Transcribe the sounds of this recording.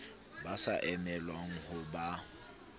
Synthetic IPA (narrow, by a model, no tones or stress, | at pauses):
basaʔɛmɛlwaŋ̩hʊba